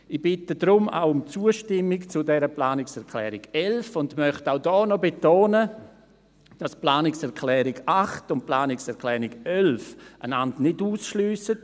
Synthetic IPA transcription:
ib̥ɪtədɾʊma̰wʊmt͡suəʃtɪmːikt͡sʊdɛɾəplaːnɪksɛʁkʰlɛːɾɪɡɛlfʊndmœχtaʊdɔːnɔbetoːnə | d̥ɑsplaːnɪksɛʁkʰlɛːɾɪɡaχtʊn̚plaːnɪksɛʁkʰlɛːɾɪɡɛlfə̰nandnɪduːsʃlyːsət

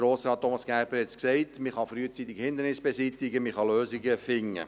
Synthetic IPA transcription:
ɾoːsɾɑːt̚ːomɑsɡ̥æɾbəɾhɛt͡sksɛɪtmɪχɑfɾyːət͡sit̪ːɪɡhɪnd̪əɾnɪsb̥esit̪ɪɡəmɪχɑløːsiɡəfɪŋːə̰

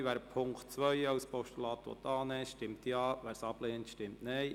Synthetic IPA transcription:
ʋæːɾpʰʊŋktt͡sʋœʏɑwspɔʃtulɑːt̪ʋɔ̰t̪ɑːnɛʃtɪmtiɑːʋæːɾsɑpleːntʃtɪmtnɛj

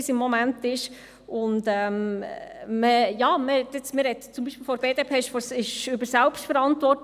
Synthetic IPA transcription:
isɪmːɔmæntɪʃ | ʊndɛːm | məjɑːməhɛt̪ɪt͡smɪɾhɛt̪t͡sʊmbiːʃpɪlfɔɾb̥eːdeːpʰeːɪʃfɔsɪʃʏbəɾsælpʃtfəɾɑntvɔɾt

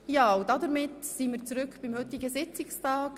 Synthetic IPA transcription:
jɑːudɑd̪əɾmɪtsiːmiːɾt͡sɾʏkb̥ɪmhɵt̪ɪɡəsɪt͡sɪkstɑːk

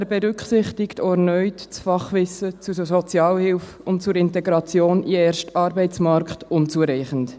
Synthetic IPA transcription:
ɛbɛɾʏkχsɪχtɪktoɔɛɾnœʏtt͡sfɑχʋɪsət͡susɔt͡sjɑːlhɪlf | ʊnt̚t͡sʊɾɪntɛɡɾɑt͡sjoːniɛːɾʃtɑːɾbɛɪt͡smɑɾkχtʊnt͡suəɾɛɪχənt

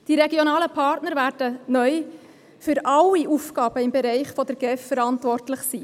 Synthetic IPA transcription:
d̥iɾeɡjonɑːləpʰɑːrtnəɾvæːɾd̥ənœʏ | fʏɾʔɑliʔufɡɑːb̥əɪmbeɾɛɪχfɔd̪əɾɡ̥ɛffəɾɑntvɔrtlɪχsiː

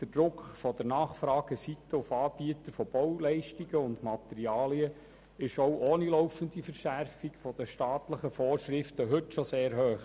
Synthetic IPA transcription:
d̪̥əd̥ɾʊkχfɔd̥əɾnɑːχfɾɑːɡ̥əsit̪ːəʊfɑːb̥iət̪əɾfɔb̥ɔwlɛɪʃtiɡ̥əʊndmɑt̪ɛɾiɑːliə | ɪʃɔwʔoːnilɔwfəndifəɾʃærfikfɔd̥əʃtɑːtləχəfɔːrʃɾɪftəɦɵtʃɔseːɾɦøːχ

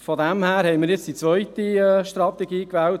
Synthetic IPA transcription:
fɔdæmhæːɾhɛɪmɪːɾjɪt͡ssd̥it͡sʋœʏtiɛʃt̪ɾɑt̪ɛɡiːkʋɛːlt

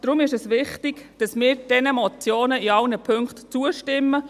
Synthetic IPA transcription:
d̥ɾʊmɪʃɛsʋɪχtɪɡ̥d̥ɑsmɪːɾd̥ɛnəmɔt͡sjoːnəiɑlnəpʰʏŋktt͡suəʃtɪmːə

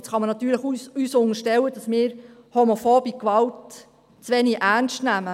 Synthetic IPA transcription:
t͡sχɑmənɑt̪yːɾləχuyːsʊnəʃtɛwəd̥ɑsmɪːɾ | homofoːbikʋɑlt | t͡sʋɛniʔærnstnæmə

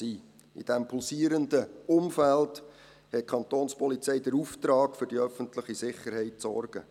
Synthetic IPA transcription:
iː | ḭd̥æmpʰulsiːəɾəndəʊmfæld | hɛt̚kʰɑnt̪oːnspɔlit͡sɛɪdəɾuːftɾɑːɡfʏrdiœfəntlɪχisɪχəɾhɛɪtsɔ̰rɡ̥ə

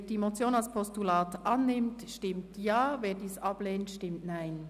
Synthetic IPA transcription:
d̥iemot͡sjoːnɑlspʰɔstulɑːtʔɑnːɪmtʃtɪmtjɑːveːdiːsʔɑb̥leːntʃtɪmtnaɪn

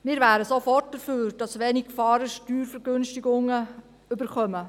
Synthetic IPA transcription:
mɪːɾvæːɾəsofɔrt̚d̥əfyːɾd̥ɑsʋeːniɡfɑːɾəʃtyːɾfəɾɡɵnʃtɪɡʊŋːə | ʏbəɾχœmə

